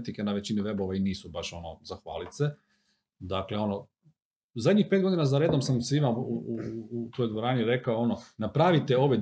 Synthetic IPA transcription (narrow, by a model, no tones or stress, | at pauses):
t̪ikenaʋe̞t͡ɕiniʋe̞boʋainiːsubaʃo̞no̰zaxʋa̰ːlit̪se | d̪akleo̞no | zad̪ʲɲixpe̞t̪ɡo̞d̪inazaɾed̪o̞msamsimauuut̪ojd̪ʋoɾaːniɾe̞kaoo̞nonapɾaʋit̪eo̞ʋed̪